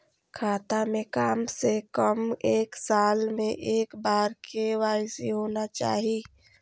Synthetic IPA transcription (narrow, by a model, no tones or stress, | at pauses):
kʰaːt̪amẽkaːmsekəmeːksaːlmẽʔeːkbaːɾkewaːɪsiɦoːnat͡ʃa̰ːɦi